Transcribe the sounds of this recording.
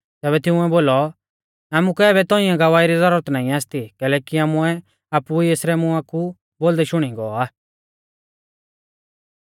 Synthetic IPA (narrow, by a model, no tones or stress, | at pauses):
t̪ɛːbɛt̪ɪũɛboːlɔ | aːmũkɛɛːbɛt̪ɔĩãɡɐʋaːiɾizɐɾʊɾət̪naːĩaːst̪ikɛːlɛːkiaːmuɛ | aːpuieːsɾɛmũaːku | boːld̪ɛʃʊɽ̃ĩɡɔaː